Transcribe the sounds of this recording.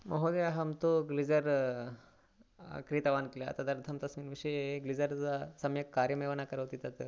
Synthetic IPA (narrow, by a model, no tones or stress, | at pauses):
mɐɦod̪eaɦɐmt̪oɡlid͡zəɾ | kɾit̪aʋankla̰t̪ɐd̪ɐɾd̪ʱʰɐmt̪ɐsʋiːnʋiʂəjeɡlid͡zəɾt͡sasɐmjəkkːaɾjəmeʋənakəɾəʋt̪it̪at̪ə